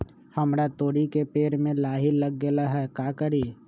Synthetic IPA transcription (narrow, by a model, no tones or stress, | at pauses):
həmɾat̪oːɽikepeːɾmẽlaːɦiləɡɡəlaɦɛːkaːkəɾiː